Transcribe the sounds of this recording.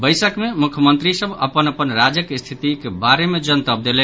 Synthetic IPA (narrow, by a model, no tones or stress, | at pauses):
bəjsəkmemukʰjəmənt̪ɾisəbə̰pənəpənɾad͡ʒjəkst̪ʰit̪ikebaɾemed͡ʒənt̪əb̚d̪elɛn